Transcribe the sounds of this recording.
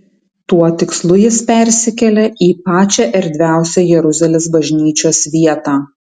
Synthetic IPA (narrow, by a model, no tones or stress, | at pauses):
t̪uɔt̪ʲɪkslˠʊjɪspʲɛˑɾʲsʲɪkʲɛlʲɛʔiːpɑːt͡ʃʲɛʔɛɾʲd̪ʲʋʲæˑʊsʲɛjɛɾʊzʲɐlʲɪsbɐʒʲnʲiːt͡ʃʲoːsʋʲiɛt̪ɑː